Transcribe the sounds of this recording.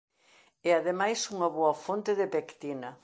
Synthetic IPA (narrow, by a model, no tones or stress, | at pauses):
ɛaðemajsuŋɐβoɐfont̪eðepekt̪inɐ